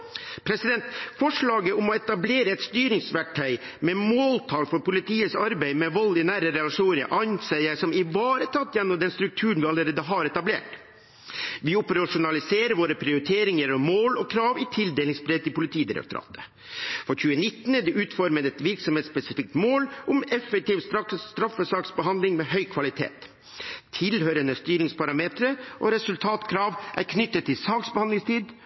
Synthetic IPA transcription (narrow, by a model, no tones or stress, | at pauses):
pʰɾɛsɪd̪ɛnt̪fɔʂɭɑːɡəʔʊmɔɛt̪ɑbleːɾəɛt̪st̪yːɾɪŋsʋæʈʰːœɪ | mɛmoːlt̪ʰɑːlfɔɾpʊlɪt̪ʰiːəsɑɾbæɪmɛʋɔlːɪnæːɾəɾɛlɑʂuːnəɾəʔɑnsɛɪəsɔmɪʋɑːɾət̪ʰɑt̪ːjɛnːɔmd̪ɛnst̪ɾʉk̚t̪ʰʉːəɳ̩ʋɪɑləɾeːd̪əɦɑɾɛt̪ɑblḛːʈ | ʋɪʊpəɾɑʂʊnɑlɪseːɾəʋoːɾəpʰɾɪʊɾɪt̪ʰeːɾɪŋəɾɔmoːlɔkʰɾɑːʋɪt̪ʰɪld̪eːlɪŋsbɾeːt̪ːɪpʊlɪt̪ʰiːd̪ɪɾɛ̰kt̪ɔɾɑ̰ːt̪ə̥ | fɔçʉːənɪt̪ːnd̪ɛʔʉːt̪fɔɾməɾɛt̪ʋɪɾksɔmheːt̪spɛsɪfɪk̚t̪moːlʔʊmɛfːək̚t̪iːʋst̪ɾɑst̪ɾɑfːəsɑːksbəɦɑnd̪lɪŋmeɦœʏkʰʋɑlɪt̪ʰḛːt̪ | t̪ʰɪlhøːɾənəst̪yːɾɪŋspʰɑɾɑmeːt̪ɾəʔɔɾɛsʉlt̪ʰɑːt̪kʰɾɑːʋʔæ̰ɾkʰnʏt̪ːət̪ʰːɪlsɑːksbəhɑnɪŋst̪ʰiːd̪